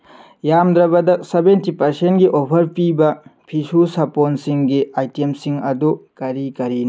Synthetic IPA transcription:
jamd̪ɾɐbɐdɐsebentipɐɾsentɡiʔopʰɐɾpibɐpʰisusɐponsiŋɡiajtemsiŋɐdukɐɾikɐɾin

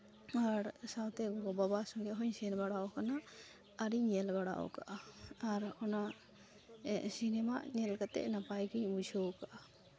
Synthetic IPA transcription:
aɾsawt̪ɛɡɔɡɔbabasɔ̃ŋɡɛɦɔɲsɛnbaɽaɔkanaː | ɾiɲɛlbaɽa̰ʔɔ̰kaʔaaɾɔna | ɛʔsinɛmaʔɲɛlkat̪ɛ̰ʔnapajɡiɲbud͡ʒʰʱowkaʔa

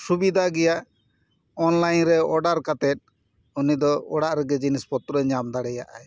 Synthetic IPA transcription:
subid̪ʱaɡɛjaʔ | ɔnlajnɾɛɔɖaɾkat̪ɛt̪̚ˀ | unid̪ɔɔɽaʔɾɛɡɛd͡ʒinispɔt̪ɾɔɲamd̪aɽɛjaʔa̰j

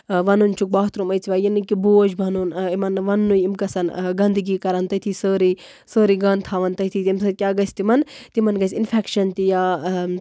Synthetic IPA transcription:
ʋɐnunt͡ʃʰuk̚bɐɦt̪ɾumɐjt͡sʰiʋaːjinɨkiboːd͡ʒbʱɐnunimɐnʋɐnːujimkɐsɐnɡɐnd̪ɨɡiːkɐɾɐnt̪ɐt̪ʰiːsəːɾi | səːɾiɡɐnt̪ʰaːʋɐnt̪ɐt̪ʰit̪imsɐkʲaːɡɐsʲt̪imɐnt̪imɐnɡɐsʲinpʰekʃɐnt̪ija

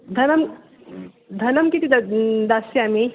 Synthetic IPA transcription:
d̪ʱɐnɐm | d̪ʱɐnɐmkit̪id̪d̪aseami

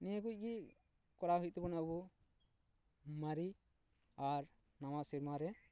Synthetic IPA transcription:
niəkuc̚ˀɡi | kɔɾaɦuc̚t̪ɛbɔnabɔ | maɾi | aɾ | nawasiɾmaɾɛ

